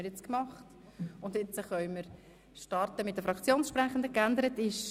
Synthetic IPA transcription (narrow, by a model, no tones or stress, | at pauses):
əɾjɛt͡skmɑχt | ʊndɪt͡səχœʏməɾ | ʃtɑɾtəmɪt̚d̥əfɾɑkt͡sjoːnʃpɾæχəndəkænd̪əɾətɪʃ